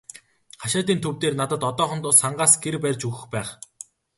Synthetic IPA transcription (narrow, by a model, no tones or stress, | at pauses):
χaʃaːt̪iːnt̪ʰɵwt̪eːrnat̪ə̆t̪ɔt̪ɔːχɞ̆nt̪ʊsaɴɢaːsɡerpærʲt͡ɕɵɣɘ̆xpæːχ